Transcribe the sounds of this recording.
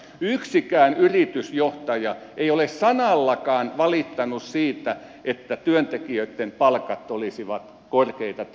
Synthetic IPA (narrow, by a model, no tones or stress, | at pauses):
yksikæːnyrit̪ysjoht̪ɑjɑʔeiolessɑnɑlːɑkɑːnʋɑlit̪ːɑnussiːt̪æ | ʔet̪ːæt̪yønt̪ekiøit̪ːempɑlkɑt̪ːolisiʋɑt̪ | korkeit̪ɑt̪